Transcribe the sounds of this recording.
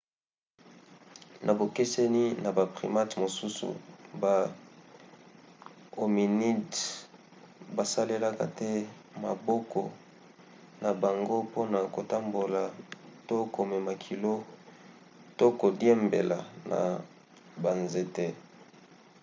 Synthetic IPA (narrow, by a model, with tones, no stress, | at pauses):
nʔa˨bo˨ki˦sɛ˦ni˦na˨ba˨pʁḭ˨ma˦tmo˨su˦sṵ˨ba˨ | o˨mi˨ni˦d | ba˨sa˦le˦la˦ka̰˨tɛ˦ | ma˨bɔ˦kɔ˨ | na˨ba˨ŋɡo˦po˦na˨ko˨ta˦mbo˨la˨to˦ko˨mɛ˨ma˨kʰi˨lo˦ | to˦ko˨djɛ˦mbe˨la̰˨na̰˨ | ba˨nze˨te˦